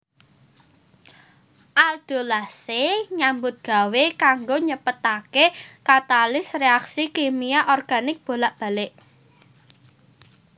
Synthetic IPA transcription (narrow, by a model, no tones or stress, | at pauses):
ʔald̪̥o̤lahseɲambʊt̪̚ɡ̥a̤wekaŋɡoɲəpət̪akekat̪alɪsreaksikemiaʔɔrɡ̥a̤nɪk̚b̥o̤laʔb̥ä̤lɪʔ